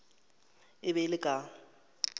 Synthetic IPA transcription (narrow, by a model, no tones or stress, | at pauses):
ɪbɛlɪkʼa